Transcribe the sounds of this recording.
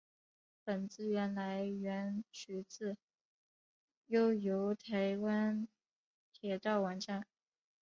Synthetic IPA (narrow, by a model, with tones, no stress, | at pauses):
pə˨˩nt͡sɹ̩˥˧ɥɛ˧˥nla˧˥ɪɥɛ˧˥nt͡ɕʰy˧˥t͡sɹ̩˥˩ | jo˥ʊjo˧˥ʊt̪ʰe˧˥ɪwa˥n | t̪ʰjɛ˨˩t̪ɑ˥˩ʊwa˧˥nʈ͡ʂa˥˩n